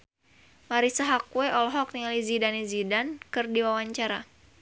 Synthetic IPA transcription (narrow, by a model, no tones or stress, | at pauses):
maɾisaɦakuwɛɔlɔɦɔk̚nializidanizidankɨrdiwawaɲt͡ʃaɾa